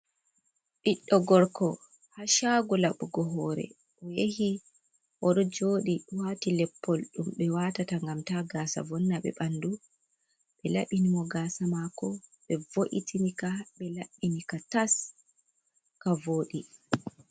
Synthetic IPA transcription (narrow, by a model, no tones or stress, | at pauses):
ɗiɗːɔɡɔɾkɔ | haʃaɡɔlaɓuɡɔɦɔːɾɛ̰ | ʔɔjehi | ʔɔɗɔd͡ʒoːɗiwaːtilɛpːɔlɗumɓɛwatataŋɡamtaɡaːsa̰vɔnːaɓɛ̰ɓandu | ɓɛlaɓinimɔɡasamakɔɓɛvoʔḭtinikaɓɛlaɓːinikatas | kavoːɗi